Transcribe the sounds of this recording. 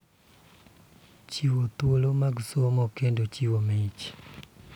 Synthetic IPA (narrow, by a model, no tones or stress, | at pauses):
t͡ʃiwot̪wolomaɡsomokendot͡ʃiwomeit͡ʃ